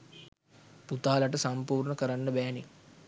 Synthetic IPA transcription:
put̪aːlaʈəsampuːrɳəkəɾanːəbæːni

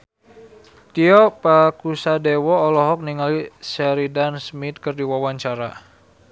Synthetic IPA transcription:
t̪iɔpakusadewɔːlɔɦɔk̚niŋalisɛɾidansmit̪̚kɨrdiwawaɲt͡ʃaɾa

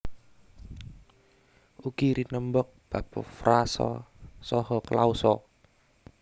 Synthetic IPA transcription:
ukiɾinəmbɔk̚b̥apɔ̰fɾasɔ̰sɔhɔkəlausɔ

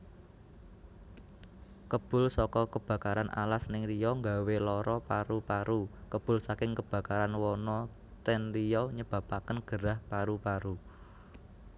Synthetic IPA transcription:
kəb̥ʊ̤lsɔkɔkəb̥a̤kaɾanʔa̰lasnɪŋɾijɔŋɡa̤welɔɾɔpaɾupaɾukəb̥ʊ̤lsakɪŋkəb̥ä̤kaɾanwɔnɔ | t̪ɛnrijɔɲəb̥a̤pakənɡ̥əɾahpaɾupaɾu

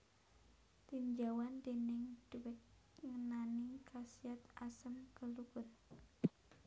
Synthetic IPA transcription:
t̪iɲd͡ʒawandɛnɛŋd̥uwɛt̪̚ | ŋənanikʰasiat̪asəmkəluɡər

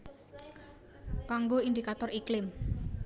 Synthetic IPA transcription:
kaŋɡoind̪ikat̪ɔriklɪm

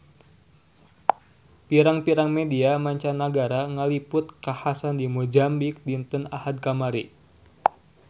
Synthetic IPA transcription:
piɾaŋpiɾaŋmediamaɲt͡ʃanaɡaɾaŋalipʊt̪̚kahasandimud͡ʒambik̚dint̪əna̰had̪̚kamaɾi

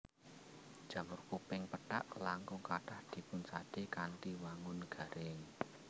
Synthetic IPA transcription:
d̥ʒ̥a̤mʊrkupɪŋpəʈa̰ʔlaŋkʊŋkaʈahd̪̥i̤pʊnt͡ʃaɖ̥ekanʈiwaŋʊnɡ̥a̤ɾɪŋ

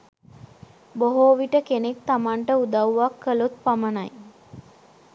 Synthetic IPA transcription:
boɦoːʋiʈəkenek̚t̪amaɳʈəud̪awʋakːəlut̪̚pamənaj

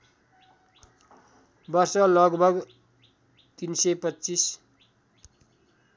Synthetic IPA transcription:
bʌrsʌlʌɡbʱʌɡ | t̪insʌpʌtːt͡sis

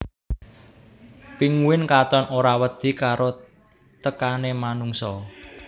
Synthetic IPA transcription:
piŋuwɪnkat̪anʔoɾawəd̪̥i̤kaɾʔo | t̪əkanemanuŋsɔ

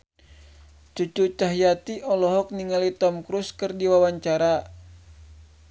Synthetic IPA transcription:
t͡ʃut͡ʃut͡ʃaɦijat̪iʔɔlɔɦɔk̚niŋalit̪ɔmkɾuskɨrdiwawaɲt͡ʃaɾa

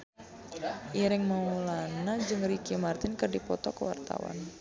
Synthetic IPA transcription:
ʔiɾɪŋmaulanad͡ʒɨŋrikimart̪ɪnkərdipɔt̪ɔkəwa̰rt̪a̰wa̰n

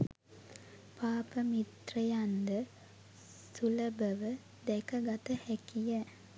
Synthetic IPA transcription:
paːpəmit̪rəjand̪ə | suləbəʋə | d̪ɛkəɡat̪əhækijə

